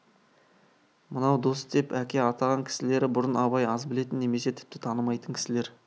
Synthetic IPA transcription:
mənɑwd̪o̞sd̪e̞pækʲe̞ɑt̪ʰɑʁɑŋkʲʰɪ̥sɪle̞ɾɪbʊɾənɑbɑjɑzbɪle̞t̪ɪnːe̞me̞se̞t̪ʰɪ̥p̚t̪ɪ̥t̪ʰɑnəmɑjt̪əŋkʲʰɪ̥sɪle̞ɾ

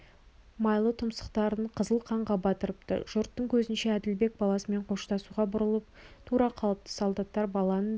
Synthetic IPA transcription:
mɑjlˠət̪ʰʊmsə̥qt̪ɑɾəɴqʰəzəlˠqʰɑɴʁɑbɑt̪əɾəp̚t̪ə̰ʒ̥ʊɾt̪ːəɴkʲʰɵzɪnʃeæd̪ɪlbe̞k̚bɑlˠɑsəme̞ɴqʰo̞ʃt̪ɑsuʁɑbʊɾəlˠəp̚t̪ʰuɾɑqʰɑlˠəp̚t̪ʰə̥solˠd̪ɑt̪ːɑɾbɑlˠɑnən

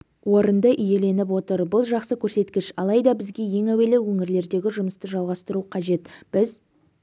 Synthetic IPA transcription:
wo̞ɾənd̪əʔʏje̞le̞nɪp̬wo̞t̪əɾbʊlˠʒɑqsəkʲʰɵɾse̞t̪kʲɪʃɑlˠɑjd̪ɑbɪzɡʲe̞je̞ŋæwe̞lɪwɵŋɪɾle̞ɾd̪e̞ɡʲɪʒʊməst̪əʒɑlˠʁɑst̪əɾuqʰɑʒe̞t̪b̥ɪz

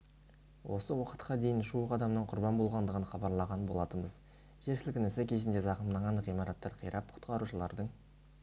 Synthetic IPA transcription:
wʔo̞səwɑqə̥t̪qɑd̪e̞jɪnʃuəqɑd̪ɑmnəɴqʰʊɾbɑnbo̞lˠʁɑnd̪əʁənχɑbɑɾlˠɑʁɑnbo̞lˠɑt̪əməz | ʒeɾʃɪlʲɪkʲɪnɪsɪkʲʰe̞zɪnd̪e̞zɑqəmd̪ɑɴɑnʁijmɑɾɑt̪ːɑɾqʰəjɾʔɑp̚qʰʊ̥t̪qɑɾuʃəlˠɑ̰ɾd̪əɴ

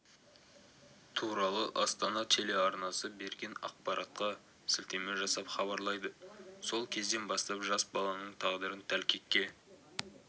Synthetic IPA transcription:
t̪ʰuɾɑlˠəʔɑst̪ɑnɑt̪ʰe̞le̞ɑɾnɑsəbe̞ɾɡʲe̞nɑ̰q̚pɑɾʔɑt̪̚qɑ | sɪlt̪e̞meʒɑsɑpχɑβɑɾlˠɑjd̪əso̞lˠkʲʰe̞zd̪e̞nbɑst̪ɑpʒɑsbɑlˠɑnəɴt̪ʰɑʁd̪əɾənt̪ʰælkʲʰe̞kʲːe̞

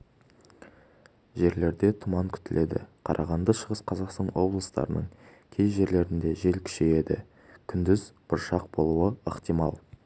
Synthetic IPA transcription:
ʒe̞ɾle̞ɾd̪e̞t̪ʰʊmɑŋkʲʰʏ̥t̪ɪle̞d̪ɪ̰qʰɑ̰ɾʔɑ̰ʁɑnd̪əʃəʁəsqʰɑzɑqst̪ɑnwo̞blˠəst̪ɑ̰ɾənə̰ɴ | kʲʰe̞jʒe̞ɾle̞ɾɪnd̪e̞ʒe̞lkʲʰʏ̥ʃe̞je̞d̪ɪ̰ | kʲʰʏnd̪ɪzb̥ʊɾʃɑq̚bo̞lˠuəəqt̪ijmɑ̰lˠ

